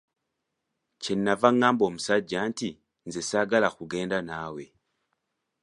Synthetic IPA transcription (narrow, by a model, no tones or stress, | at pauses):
cenːavaŋaːmbo̞ːmusaɟanti | nzesaɡalaxuɡe̞ːndanaːwe̞